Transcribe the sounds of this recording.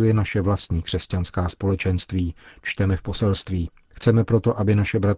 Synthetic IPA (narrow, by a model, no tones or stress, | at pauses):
ujɛnaʃɛvlast̪ɲiːkr̝̥ɛscanskaːspo̞lɛt͡ʃɛnst̪viːt͡ʃt̪ɛmɛfpo̞sɛlst̪viː | xt͡sɛmɛpɾo̞t̪o̞ʔabɪnaʃɛbɾat̪